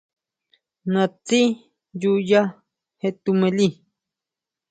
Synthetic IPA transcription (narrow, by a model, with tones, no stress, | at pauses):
nã˨t͡si˦ | juja˦ | het̪ume˨li